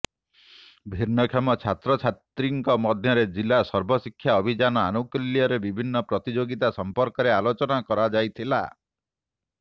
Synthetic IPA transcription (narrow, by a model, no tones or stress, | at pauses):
bʱiɾnɔkʰɔmɔt͡ʃʰat̪ɾɔt͡ʃʰat̪ɾiŋkɔmɔd̪ʱjɔɾed͡ʒilasɔɾbʱɔsikʰːjaɔbʱid͡ʒanɔa̰nukilijɔɾebibʱinːɔpɾɔt̪id͡ʒoɡit̪asɔmpɔɾkɔɾealot͡ʃɔnakɔɾad͡ʒajt̪ʰila̰